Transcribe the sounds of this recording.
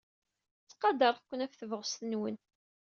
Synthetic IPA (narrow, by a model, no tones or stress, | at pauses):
t͡sːqɑd̪əɾˤθkʷːənæfθəvʁəsθənwən